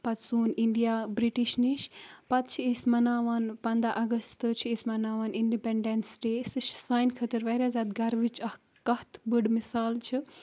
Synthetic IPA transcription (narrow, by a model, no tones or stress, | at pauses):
pɐt̪suːniɳɖijaːbɾiʈiʃniʃpɐt̪̚t͡ʃʰiisʲmɐnaːʋaːnpɐnd̪aʔɐɡɐst̪ɨt͡ʃʰiisʲmɐnaːʋaːniɳɖipeɳɖensʈeːsɨʃsaːjnkʰɐt̪ɨɾʋɐɾʲaːzʲaːd̪ɡɐɾʋit͡ʃɐh | kɐht̪bɨɽmisaːlt͡ʃʰi